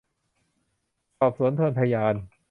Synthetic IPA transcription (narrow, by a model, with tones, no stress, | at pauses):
sɔː˨˩p̚su˩˦ənt̪ʰɤː˧npʰa˧jaː˧n